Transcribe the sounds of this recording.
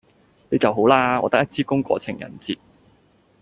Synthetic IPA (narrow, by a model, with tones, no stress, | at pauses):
ne˨˧jt͡sɐ˨wɦo˨˥wlaː˧ɔː˨˧t̪ɐ˥k̚ɐ˥t̚t͡siː˥kʊ˥ŋkʷɔ̰ː˧t͡sʰɪ˨˩ŋjɐ̰˨˩nt͡siː˨t̚